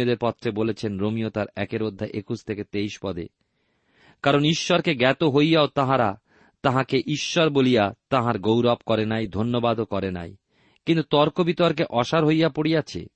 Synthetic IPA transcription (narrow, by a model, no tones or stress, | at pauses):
od̪eɾpɔt̪ːɾebolet͡ɕʰenɾomiot̪aɾɛ̰keɾod̪ʱːaʔekust̪ʰeket̪ejʃpɔd̪ḛ | kaɾoniʃːɔɾkeɡɛt̪oɦojjaot̪aɦãɾa | t̪aɦãkeʔiʃːɔɾbolijat̪aɦaɾɡowɾɔbkɔɾenajd̪ʱonːobad̪okɔɾena̰j | kint̪ut̪ɔɾkobit̪ɔɾk̬eʔɔʃaɾɦojapoɽijat͡ɕʰḛ